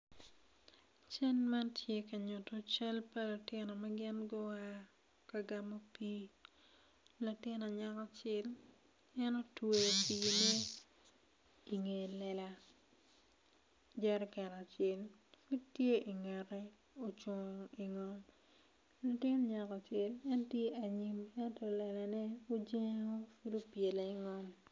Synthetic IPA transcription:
t͡ʃɛ˦nma˦tʰje˦ka˨ɲʊ˨to˨t͡ʃɛ˦lpa˦lʊ˨tɪ˦nɔ˨ma˦ɡɪ˦nɡɔ˦a˦ | ka˨ɡa˨mo˦piː˦ | la˨tɪ˦nɔ˨ɲa˦kɔ˨t͡ʃɪ˦l | ɛ˦no˦twe˨piː˨ne˦ | i˨ŋe˨lɛ˨la˦ | d͡ʒɛ˦ɾkɛ˨na˨t͡ʃɪ˦l | ki˦tje˦ʔi˨ŋɛ˨ɾɛ˦ | o˨t͡ʃwɔ˨ŋ˨i˨ŋɔ˦m | lo˨tɪ˦n˦ɲa˨ka˨t͡ʃɪ˦lɛ˦ntje˦a˨ɲi˨mɛ˦ntɔ˨lɛ˨la˨nɛ˦o˦d͡ʒe˦ŋo˦fu˦do˦pje˨le˨i˦ŋɔ˦m

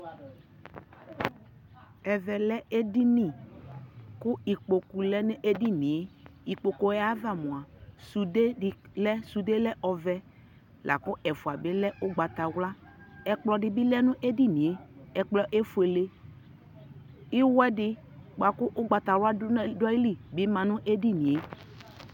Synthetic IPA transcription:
ɛ˨vɛ˨lɛ˦e˦di˦ni˨ | kʊ˦i˨k͡po˨ku˨lɛ˦nʊ˦ʔe˦di˦ni˨e˦i˨k͡po˨ko˨ja˦va˦˨mʊ̃˨a˨su˨de˦˨lɛ˦su˨de˦lɛ˦ʔɔ˨vɛ˦ | lʔa̰˨kʊ˦ʔɛ˨fʊ˨a˨bɪ˦lɛ˦ʔʊ˦ɡ͡ba˨t̪a˨wla˦ | ɛ˨k͡plɔ˨dɪ˨bɪ˦lɛ˦nʊ̃˦ʔe˦di˦nĩ˨e˨ɛ˨k͡plɔ˨ʔe˦fu˨e˨le˦ | ɪ˦wɛ˦dɪ˦ | k͡pa˨kʊ˦ʔʊ˦ɡ͡ba˨ta˨wa˦dɔ˦i˦li˦bɪ˦mã˨nʊ̃˦ʔe˦di˦nĩ˨e˦

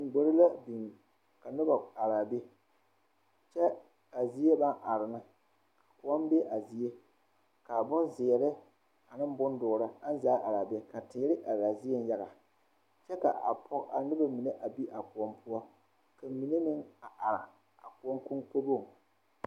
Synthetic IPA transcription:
ŋ̩˨ɡ͡bo˨ɾɪ˦la˦bi˨ŋ | ka˨nɨ˦ba˨a˨ɾaː˨be˦ | t͡ʃɛ˦ | ka˨zi˦e˦ba˦nʔa˨ɾɪ˨na˨ | kḁ˨ku˨ɔ˦mbe˦ʔa˨zi˨e˦ | ka˨bʊ˦nzɪ˨ɛ˨ɾɪ˦ | a˨nɨ˦m˦bʊ˦n˦dʊ˨ɾa˦a˦n˦zaː˨˦ʔa˨ɾa˨be˦ka˨tɪ˨˦ɾɪ˦ʔa˨ɾaː˨zi˦e˦n˦ja˦ɣa˨ | t͡ʃɛ˦ka̰˨ʔa̰˨pʰɔ˦ka˨nɨ˦ba˦mi˨ne˦ʔa˨bi˦ʔa˨ku˨ɔ˦mpʰʊ˦ɔ˦ | ka˨mi˨ne˦nɪ˦ŋa˨ʔa˨ɾa̰˨ | a̰˨ku˨ɔ˦ŋkʊ˦ŋko˦bo˦˨

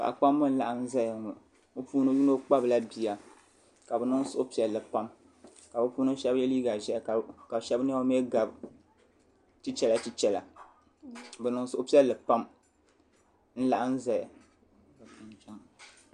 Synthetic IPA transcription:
ka̰˨ʔa˨k͡pa˦mːɨ˦n̩˦la˨ʔa˦n̩˦za˦ja˨ŋɔ˨ | o˦puː˦nɨ˦ju˦no˦k͡pa˦bɨ˨la˦bi˨ja˨ | ka˨bɛ˨nɨ˦ŋ˦sʊ˦ʔʊ˦pi˨˦ɛ˨lːɨ˨pa˦m | ka˨bɛ˦puː˦nɨ˦ʃɛ˦bjɛ˦liː˦ɡa˨ʒɛ˦˨ka˨ʃɛ˦bn˦a˦o˦me˦ɡa˨b | ti˦t͡ʃɛ˦la˦ti˦t͡ʃɛ˨la˨ | bɛ˨nɨ˨ŋ˦sʊ˨ʔʊ˦pi˦ɛ˦lːɨ˨pa˦m | n̩˦la˨ʔa˦n̩˦za˨ja˨ | nd͡ʒa˦ŋ

